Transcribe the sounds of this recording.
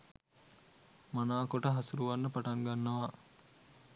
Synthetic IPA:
manaːkoʈəɦasuɾuʋanːəpaʈaŋɡanːɐʋa

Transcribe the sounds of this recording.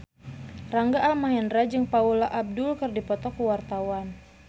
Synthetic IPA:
raŋɡaʔːlmaŋɛndɾad͡ʒɨŋpaulaʔab̚dʊlkɨrdipɔt̪ɔkuwart̪awan

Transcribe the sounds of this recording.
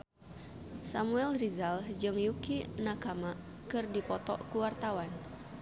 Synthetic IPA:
samuɛlrizald͡ʒɨŋjukinakama | kɨrdipɔt̪ɔ̰kuwart̪awan

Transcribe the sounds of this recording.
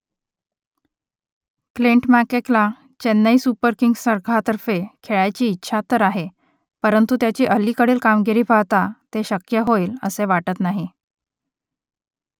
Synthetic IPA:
kliɳʈmækekla | t͡ɕenːəiːsupəɾkiŋɡsəɾɡʰat̪əɾfekʰeɭajt͡ɕiːtːɕʰat̪ːəɾaɦe | pəɾənt̪ut̪jat͡ɕiːʔəlːiːkəɽiːlkamɡeɾiːpawt̪at̪eɕəkjəɦoiːlə̰seʋaʈət̪naɦi

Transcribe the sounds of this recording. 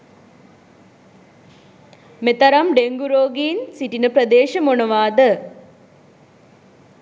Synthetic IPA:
met̪ɐɾɐmɖeŋɡuɾoːɡiːnsiʈːinɨpɾɐd̪eːʂɐmɔɳɐʋaːd̪ɐ

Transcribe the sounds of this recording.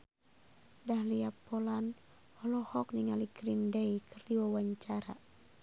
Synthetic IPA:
dahliapɔlan | hɔlɔhɔk̚niŋaliɡɾindɛikʰərdiwawaɲt͡ʃaɾa̰

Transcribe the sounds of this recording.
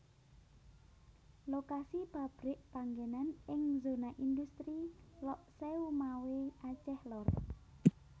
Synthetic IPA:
lokasib̥a̤b̥ɾɪʔpaŋɡenanɪŋzonaʔind̪ust̪ɾilɔʔseumaweat͡ʃɛhlɔr

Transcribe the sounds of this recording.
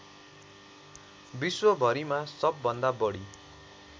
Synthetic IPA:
biswʌbʱʌɾimasʌbːʌnd̪abʌɽi

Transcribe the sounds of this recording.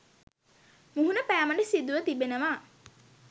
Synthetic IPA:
muɦunəpæːməɳɖəsid̪uʋət̪ibenəʋa

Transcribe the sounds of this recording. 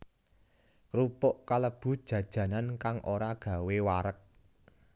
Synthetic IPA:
kɾupɔʔkaləb̥ṳd̥ʒ̥ä̤d̥ʒ̥ä̤nankaŋʔoɾaɡ̥ä̤wewaɾək̚

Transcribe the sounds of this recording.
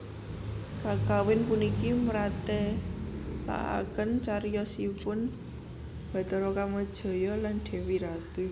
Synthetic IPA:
kakawɪnpunikiməɾat̪ɛ | la̰ʔa̰kənt͡ʃaɾjɔsipʊn | b̥ä̤t̪əɾɔkaməd̥ʒ̥ɔ̤jɔlanɖ̪̥ɛ̤wiɾat̪e

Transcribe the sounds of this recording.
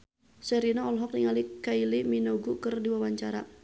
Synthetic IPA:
sɛɾinaɔlɦɔk̚niŋalikailiminɔɡukərdiwawaɲt͡ʃaɾa

